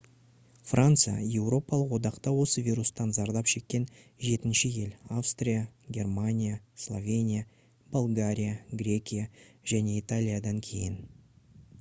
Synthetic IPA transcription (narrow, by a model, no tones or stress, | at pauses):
frʔant̪sɨja̰je̞wro̞pɑlˠəqwo̞d̪ɑqt̪ɑwo̞səvʲiɾust̪ɑnzɑɾd̪ɑpʃe̞kʲːe̞nʒe̞t̪ɪnʃɪje̞lafst̪rʲijaɡʲe̞rmanʲijaslˠovʲe̞nʲija | bolˠɡaɾʲijaɡrʲe̞kʲijaʒ̥æne̞it̪alʲijad̪ɑŋkʲʰe̞jɪn